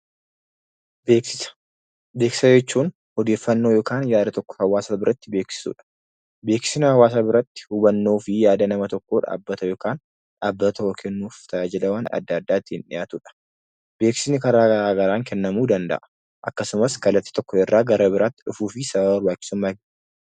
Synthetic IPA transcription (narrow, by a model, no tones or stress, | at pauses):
beːksɪsɐ̥ | be̞ːkɪ̥sɐd͡ʒɛt͡ʃːuːn | hɔd̪e̞ːfːɐnːoːjoːkaːnjaːd̪ɐt̪ɔkːɔ̥hɐwaːsaːbɪɾɐt̪ːɪbe̞ːksɪ̥sṵːᶑɐ̥ | beːkɪ̥sɪnɐhɐwaːs̬abɪɾɐt̪ːɪ̥hʊbɐnːo̞ːfɪjaːd̪ɐnɐmɐt̪ɔkːo̞ːᶑa̰ːbːɐt̪ɐjo̞ːkaːn | ᶑaːbːɐt̪ɐwɔkʰɛnːuːft̪ʰɐjad͡ʒɪlɐwɐnɐ̰d̪ːɐːd̪ːaːt̪ːɪnᶑɪ̰jaːt̪uːᶑɐ̥ | b̥e̞ːksɪnɪkɐɾaːɡɐɾaːɡɐɾaːŋkʰɛnːɐmuːd̪ɐnd̪ɐ̰ʔɐ̥ | ʔɐkːɐsʊmɐskɐlːɐt̪ːɪ̥t̪ɔkːɔɪrːaːɡɐɾɐbɪɾaːt̪ːɪᶑʊfuːfɪsɐbɐbɐɾbaːt͡ʃʼːɪ̥sʊmːaːɡ